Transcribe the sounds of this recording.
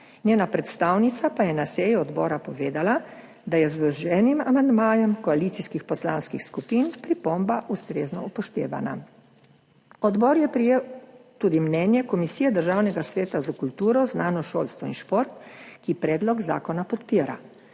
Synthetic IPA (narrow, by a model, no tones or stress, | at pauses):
njeːnapɾɛt̪st̪aːwnit̪sapajɛnasɛjuɔd̪bɔːɾapɔʋeːd̪ala | d̪ajɛzbɛʒɛːnima̰mand̪maːjɔmkɔaliːt̪siskixpɔslaːnskixskupiːnpɾipombaʔust̪ɾeːznɔupɔʃt̪ḛːʋa̰na | ɔd̪bɔːɾjɛpɾijewt̪uːd̪imnɛːnjɛkɔmisijɛd̪əɾʒaːwnɛɡasʋeːt̪azakult̪uːɾɔznaːnɔʃoːlst̪ʋɔinʃpoɾt̪kipɾɛːd̪lɔɡza̰ːkɔnapɔt̪piːɾa̰